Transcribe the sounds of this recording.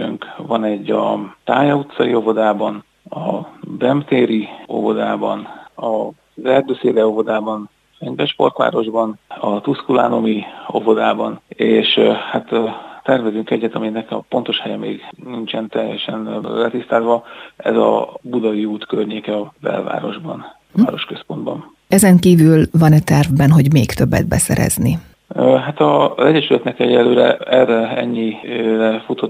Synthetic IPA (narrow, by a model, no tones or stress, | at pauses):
øŋkvɒnɛɟːɒt̪aːjɒut̪sɒio̞vo̞d̪aːbɒn | ɒbɛmt̪eːɾio̞̰vo̞d̪aːbɒ̰nɒ | zɛrd̪øseːlɛo̞vo̞d̪aːbɒn | fɛɲvɛʃpo̞̰rt̪ʋa̰ːɾo̞ʒbɒnɒt̪uskula̰ːno̞mio̞̰vo̞d̪aːbɒneːʃhat̪ːɛrvɛzyŋkɛɟːɛt̪ɒminɛkɛɒpo̞nt̪o̞ʃhɛjɛmḛːɡnint͡ʃɛnt̪ɛjːɛʃɛnlɛt̪ist̪aːzʋɒɛzɒ̰bud̪ɒviuːt̪kørɲeːkɛɒbɛ̰lva̰ːɾo̞̰ʒbɒn | aːɾo̞ʃkø̞spo̞nd̪bɒ̰n | ɛzɛŋkiːvylvɒnɛt̪ɛrvbɛnɦo̞ɟmeːkt̪ø̞bːɛ̰d̪̚bɛsɛ̰ɾɛ̰zni | ɦat̪ɒzɛɟɛʃylɛt̪nɛkɛɟɛlːøːɾɛ̰ɛrɛɛɲːirɛfut̪ot̪